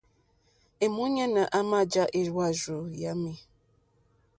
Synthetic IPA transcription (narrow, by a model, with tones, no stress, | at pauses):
e˨mu˦ɲa˦na˨ʔa˦ma˦˨d͡ʒa˦ʔe˦ɾwa˦˨zo˨ja˦me˨